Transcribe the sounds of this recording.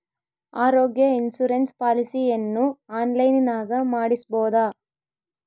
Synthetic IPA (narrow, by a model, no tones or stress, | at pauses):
aːɾoːɡjɐinsuɾenspaːlisienːuaːnlɐjninaːɡɐmaːɽisboːd̪aː